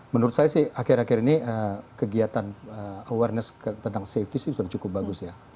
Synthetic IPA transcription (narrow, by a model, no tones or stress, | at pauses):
mənuɾʊt̪̚sajasɪhakɪɾakɪɾiniəkəɡiat̪anəəwarnəsət̪ənt̪aŋseft̪isɪsudat͡ʃukʊp̚baɡʊsja